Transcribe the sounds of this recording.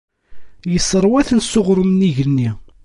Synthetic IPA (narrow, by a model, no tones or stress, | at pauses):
jəsːəɾˤwæθənsʊʁɾˤəmnːiʝənːi